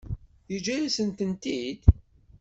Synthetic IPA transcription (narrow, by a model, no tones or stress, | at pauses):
jəd͡ʒælæsənt̪ənt̪id̪